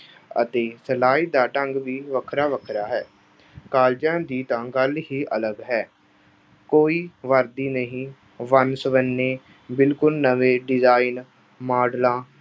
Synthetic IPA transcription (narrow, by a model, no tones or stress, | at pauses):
ə̰t̪eːsəlaːiːd̪aːʈəŋɡʋiːʋəkʰɾaːʋəkʰɾaːɦɛː | kaːld͡ʒãːd̪iːt̪ãːɡəlɦiːʔələɡɦɛː | koːiːʋəɾd̪iːnəɦĩː | ʋənsəʋənːeː | bɪlkʊlnəʋeːɖɪzaːin | maːɖlãː